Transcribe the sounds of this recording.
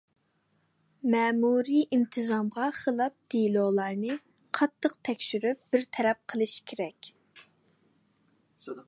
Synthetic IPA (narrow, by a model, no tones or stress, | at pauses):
mɛːmuɾiʔint̪ʰɨzɑmʁɑχəlˠɑp̚d̪̥ilolˠɑɾnɨ | qʰɑt̪ʰːəq̚t̪ʰɛkʲʃyɾyp̚b̥ɪɾt̪ʰɛɾɛp̚qʰəlˠɨʃkʲʰeɾɛkʲ